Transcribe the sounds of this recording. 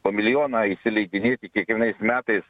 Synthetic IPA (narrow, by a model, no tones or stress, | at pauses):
pomʲɪlʲɪjoːnɑːisʲɪlʲɛɪd̪ʲɪnʲeːt̪ʲɪkʲiɛkʋʲiɛnɐɪsmʲæːt̪ɐɪs